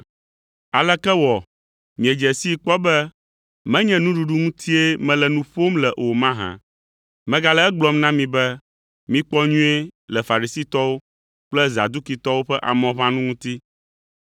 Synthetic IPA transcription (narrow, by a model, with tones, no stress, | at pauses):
a˨lɛ˦kɛ˦wɔ˨ | mĩ˨e˨d͡ʒɛ˨si˦k͡pɔ˦bɛ˦ | mɛ̃˦ɲɛ̃˦nũ˦ɖu˦ɖu˦ŋũ˦t̪ʰi˦e˦mɛ̃˨˦lɛ˨nũ˦ɸo˦mlɛ˨ʔo˨mã˦ɦã̰˨ | mɛ̃˦ɡa˨lɛ˦ɛ˦ɡ͡blɔ˦mnã˦mĩ˨bɛ˦ | mĩ˦k͡pɔ˦ɲũ˦e˦lɛ˨fa˨ɾi˨si˦t̪ɔ˦wo˦ | k͡plɛ˦za̰˨d̪u˦ki˨t̪ɔ˦wo˦ɸɛ˦ʔa̰˨mɔ̃˨βã˦nũ˦ŋũ˦t̪i˦